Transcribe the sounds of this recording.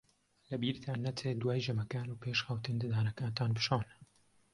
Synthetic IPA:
lɐbiːɾt̪ʰaːnːɐt͡sʰeːd̪waːjd͡ʒɐmɐkaːnuːpʰeʃxɐwt̪ɨnd̪ɨd̪aːnɐkaːnt̪ʰaːnbɨʃan

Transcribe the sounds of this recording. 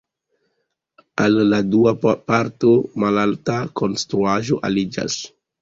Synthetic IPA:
alːaduapaɾtomalaltakonst̪ɾuaʒoʔa̰lid͡ʒa̰s

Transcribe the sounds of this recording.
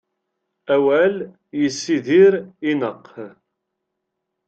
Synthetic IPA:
æwæl | jəsːiðiɾinəqː

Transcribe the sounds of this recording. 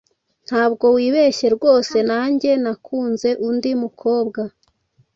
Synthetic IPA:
n̥haːbɡo̞wiːβeçe̞ɾɡo̞ːse̞naːɲɟe̞nakʰuːnze̞ʔundimukʰo̞ːbɡa

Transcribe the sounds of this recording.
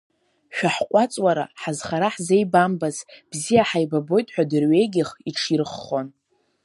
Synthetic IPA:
ʃᶣaħqʷʼat͡sʼwaɾa̰ħazχaɾaħze̞jbambazb̥zijaħajbabo̞jtʼħʷᶣadɨrɥe̞jɡʲɪχiʈ͡ʂʰirɨχːon

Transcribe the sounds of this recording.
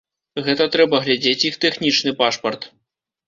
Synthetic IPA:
ɣɛt̪ɐt̪ɾɛbɐɣlʲad͡zʲet͡sʲjixt̪ɛxnʲit͡ʂnɨpaʂpɐrt̪

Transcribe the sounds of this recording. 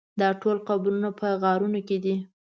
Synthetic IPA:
d̪ɑʈolqabuɾunapəɣɑɾunoked̪i

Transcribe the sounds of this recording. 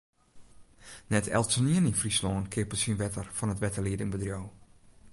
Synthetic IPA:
nɛtʰɛ̰lˠtsəniəninfrislɔːnkʰɪəpəsinʋɛtərfɔnətʋɛtəliədɪŋbədrjow

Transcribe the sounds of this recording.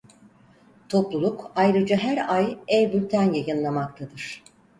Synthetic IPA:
t̪ʰo̞plˠulˠukajɾɯd͡ʒaɦæɾajɛjbylʲt̪ʰænjajɯnlˠamak̚t̪ʰad̪ɯɾ̝̥

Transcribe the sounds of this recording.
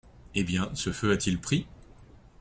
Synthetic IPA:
ebjɛ̃səføat̪ilpχi

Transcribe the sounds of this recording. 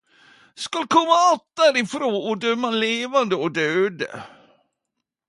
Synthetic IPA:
skɑlkʰɔmːaat̪̚d̪æɾɪfɾoːɔd̪œmːaleːvand̪əɔd̪øːd̪ə̰

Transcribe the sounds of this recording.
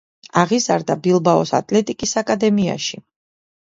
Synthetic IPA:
aʁiza̰ɾd̪abilˠbaɔsa̰t̪ʼlɛt̪ʼikʼisakʼad̪ɛmia̰ʃi

